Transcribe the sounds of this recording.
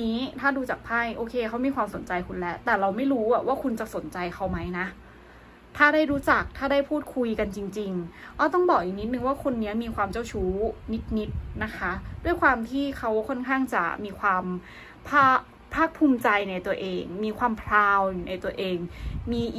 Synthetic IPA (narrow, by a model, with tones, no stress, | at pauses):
iː˦˥t̪ʰaː˥˩duː˧t͡ɕa˨˩k̚pʰa˥˩jʔoː˧kʰeː˧kʰa˦˥wmiː˧kwaː˧mso˨˩˦nt͡ɕa˧jkʰu˧nlɛ˦˥ʔt̪ɛː˨˩ɾa˧wma˥˩jɾuː˦˥a˨˩waː˥˩kʰu˧nt͡ɕa˨˩so˨˩˦nt͡ɕa˧jkʰa˦˥wma˦˥jna˦˥ʔ | t̪ʰaː˥˩ɾaː˥˩jɾuː˦˥t͡ɕa˨˩k̚t̪ʰaː˥˩daː˥˩jpʰuː˥˩t̪̚kʰu˧jka˧nt͡ɕi˧ŋt͡ɕi˧ŋʔa˦˥˩t̪̬ɔ˥˩ŋbɔː˨˩k̚ʔiː˨˩ni˦˥t̪̚nɯ˨˧ŋwaː˥˩kʰo˧nːi˦˥ɐmiː˧kʰwaː˧mt͡ɕa˥˩wt͡ɕʰuː˦˥ni˦˥t̪̚ni˦˥t̪̚na˦˥kʰa˦˥du˥˩əjkʰwaː˧mt̪ʰiː˥˩kʰa˦˥wkʰɔ˥˩nkʰaː˥˩ŋt͡ɕa̰˨˩miː˧kʰwaː˧m | pʰaː˥˩ | pʰaː˥˩k̚pʰuː˧mt͡ɕa˧jna˧jt̪u˧ɐʔeː˧ŋmiː˧kʰwaː˧mpʰlaː˧wju˨˩na˧jt̪u˧ɐʔeː˧ŋmiː˧˨